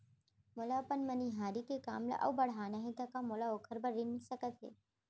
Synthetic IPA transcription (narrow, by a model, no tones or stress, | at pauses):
mʊlapənmɐniɦaːɾikeka̰ːmlḛʔɐ̰bɐɽ̤ɦaːnaɦĩt̪ɐkamʊlaoːkʰəɾbɐɾːɪnisəkət̪ɦḛː